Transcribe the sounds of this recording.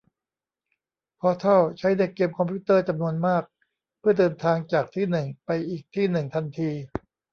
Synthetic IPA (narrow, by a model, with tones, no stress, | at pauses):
pʰɔː˧t̪ʰɔ˥˩wt͡ɕʰa˦˥jna˧jkeː˧mkʰɔ˧mpʰi˦˥t̪ɤː˥˩t͡ɕa˧mnu˧ənmaː˥˩k̚ | pʰɯ˥˩ɐdɤː˧nt̪ʰaː˧ŋt͡ɕaː˨˩k̚t̪ʰiː˥˩nɯ˨˩ŋpa˧jʔiː˨˩k̚t̪ʰiː˥˩nɯ˨˩ŋt̪ʰa˧nt̪ʰiː˧